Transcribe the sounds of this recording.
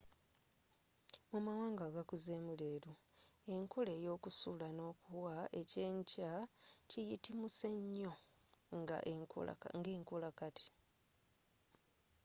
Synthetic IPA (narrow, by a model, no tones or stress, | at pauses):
mumawaːŋɡaːɡakuzeːmuleːɾu | e̞ŋkule̞ːjo̞ːkusuːlano̞ːkuwae̞ceːɲcacijitimuseɲːo̞ | ŋɡa̰ʔŋ̰ŋɡe̞ːŋkulakati̥